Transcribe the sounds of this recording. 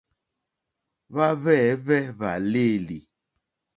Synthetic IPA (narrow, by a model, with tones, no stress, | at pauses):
βa˦βɛ˦˨˦βɛ˦βa˨le˦˨li˨